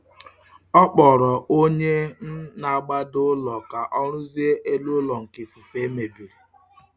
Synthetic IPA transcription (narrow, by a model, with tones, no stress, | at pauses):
ɔ˦k͡pɔ˨ɾɔ˨ʔo˦ɲe˦n̩˦na˨ɡ͡ba˦dʊ˦lɔ˨ka˨ʔɔ˦ɾʊ˦zi˦e˦ʔe˦lu˦lɔ˨ŋ̩˨ki˨fu˨fe˦me˨bi˨ɾi˨